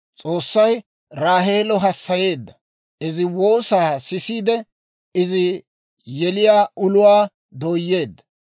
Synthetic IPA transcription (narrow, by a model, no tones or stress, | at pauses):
t͡sʼo̞ːsːɐj | ɾaːɦe̞ːlɔɦɐsːɐje̞ːd̪ːɐ | ʔɪzɪwo̞ːsaːsɪsiːd̪ɛ | ɪzɪ | jɛlɪjaːʔʊlʊwaː | d̪oːjːe̞ːd̪ːɐ̥